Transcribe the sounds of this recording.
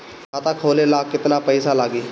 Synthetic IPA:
kaːt̪aːkʰoːlelaːkːɪt̪napəɪsalaːɡiː

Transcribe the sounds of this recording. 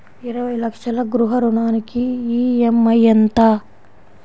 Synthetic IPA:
iɾɐʋɐjlɐkʂɐlɐɡɾuɦɐɾuɳaːnikiiːemːɐjɐnt̪ɐ

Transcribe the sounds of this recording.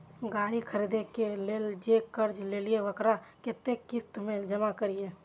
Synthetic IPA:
ɡaːɾikʰəɾid̪ekeleːld͡ʒekəɾd͡ʒleːlieʋəkɾaket̪ekɪst̪mẽd͡ʒəmakəɾieː

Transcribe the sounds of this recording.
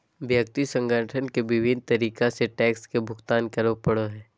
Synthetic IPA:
ʋjɐkt̪isə̃ŋɡəʈʰənkeʋɪʋɪn̚t̪ɐɾiːkaseʈɛːkskebʱʊɡt̪aːnkɐɾʋpəɽoɦɛː

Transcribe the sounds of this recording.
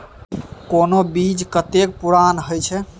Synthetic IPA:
konobid͡ʒkət̪ek̚puɾanɦojt͡ʃʰɛ

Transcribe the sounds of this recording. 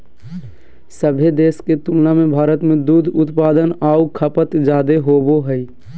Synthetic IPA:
səbʱed̪eːsket̪uːlnamẽbʱaːɾət̪mẽd̪uːd̪ʱʊt̪paːd̪ənaːukʰəpət̪d͡ʒaːd̪eɦoːboɦəi

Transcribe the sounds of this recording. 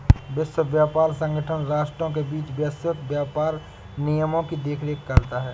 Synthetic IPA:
bəsəbjaːpaːɾsə̃ŋɡʱəʈʰənɾaːʃʈɾõkebiːt͡ʃbjəsət̪bjaːpaːɾ | nijəmõkid̪eːkʰɾekːɐɾt̪aɦɛː

